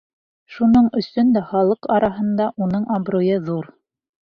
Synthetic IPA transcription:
ʃunɤɴɵ̆sɵnd̪æχɑlˠɤqɑɾɑɦɤ̆nd̪ɑʔunɤɴɑbɾojɤðuɾ

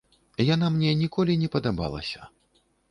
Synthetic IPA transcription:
janamnʲɛnʲikɔlʲinʲɛpɐd̪aba̰lˠɐ̰sʲɐ

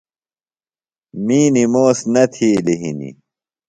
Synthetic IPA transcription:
miːnimoːsnɐt̪ʰiːliɦḭnḭ

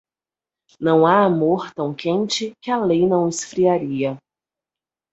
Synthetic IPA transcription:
nɐ̃w̃aːmoɾt̪ɐ̃w̃kẽnt͡ʃɪkɪɐlejnɐ̃w̃ɪsfɾiaɾiɐ

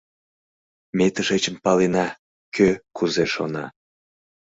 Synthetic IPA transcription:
met̪əʃet͡ɕəmpɑlenɑ | køkuzeʃo̰nɑ

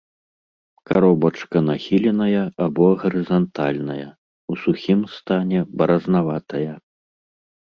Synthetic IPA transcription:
kaɾɔbɐt͡ʂkɐnaxʲilʲɛnɐjɐabɔɣɐɾɨzant̪alʲnɐjɐ | usuxʲimst̪anʲɛbɐɾɐznavat̪ɐjɐ

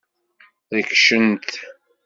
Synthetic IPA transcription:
ðəkʃənt̪

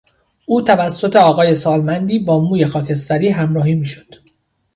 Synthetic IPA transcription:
ʔuːt̪ʰævæsːo̞t̪ʰe̞ɒːɣɒːje̞sɒːlmænd̪iːbɒːmuːje̞xɒːcʰe̞st̪æɾiːɦæmɾɒːhiːmiːʃo̥d̪̥

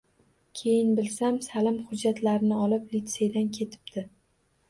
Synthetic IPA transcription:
kʲʰe̞jɪnbɪlsamsalɪmχʊd͡ʒːat̪laɾɪnɪɒlɪplit̪se̞jd̪ankʲʰe̞t̪ʰɪ̥p̚d̪̥ɪ

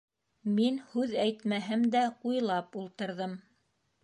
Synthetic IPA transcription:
minhʉðæjt̪mæɦɘmd̪æqujlˠɑpulˠt̪ɤ̆ɾðɤm

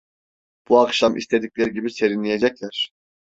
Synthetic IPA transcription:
b̥uakʃamʔḭst̪ʰe̞d̪ic̚ʲlʲeɾiɟibise̞ɾinlʲije̞d͡ʒɛclʲæɾ̥

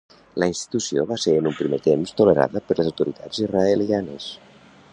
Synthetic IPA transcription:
ləinst̪i̥t̪usioβaseɾənumpɾimet̪emst̪uləɾa̰ðəpəɾləzawt̪uɾit̪ʰa̰d͡ziraelianəs

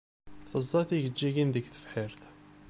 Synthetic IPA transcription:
θəzˤːɑθiʝəd͡ʒːiɡinðəɡθə̥fħiɾθ

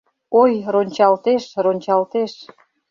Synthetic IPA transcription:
ojronʲt͡ɕɑlt̪eʃronʲt͡ɕɑlt̪eʃ

